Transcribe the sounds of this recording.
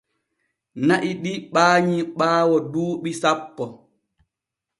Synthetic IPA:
naʔiɗiɓaːɲiɓaːwɔduːɓisapːɔ

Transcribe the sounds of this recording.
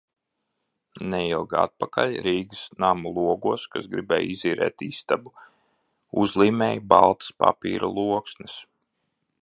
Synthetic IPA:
nɛjilˠɡa̰t̪̚pakalʲɾiːɡsnamulˠuɔɡuɔskasɡɾibɛ̰ːjiziːɾɛ̰ːt̪ist̪abu | uzlˠiːmɛːjbalˠt̪spa̰pḭːɾulˠuɔksnɨs

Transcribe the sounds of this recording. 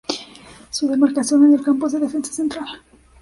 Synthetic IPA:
suðe̞maɾkasjo̞nenelkampozðeðe̞fe̞nsḁsent̪ɾal

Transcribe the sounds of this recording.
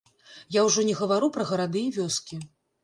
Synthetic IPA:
jawʐɔnʲɛɣɐvaɾupɾɐɣɐɾad̪ɨjɛvʲɔskʲi

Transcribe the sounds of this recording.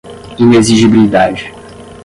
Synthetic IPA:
ĩneziʒibilid̪ad͡ʒɪ

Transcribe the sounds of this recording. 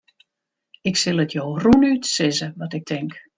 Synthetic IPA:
ɪksɪlˠətʰjoːrunytsɪzəʋɔtɪk̚tʰɪŋk

